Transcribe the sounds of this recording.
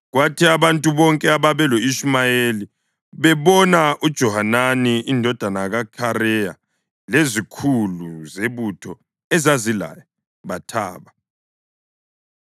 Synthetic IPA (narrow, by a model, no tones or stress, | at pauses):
ɣwatʰiaβantʼuβɔŋkʼɛaβaβɛloiʃmajeli | βɛβɔnaʔud̥ʒ̥ʱɔhananiindʱɔd̥ʱanaɣakʰaɾɛja̰ | lezikʰuluzeβutʰɔ | ɛzazila̰jɔ | βatʰa̰ːβa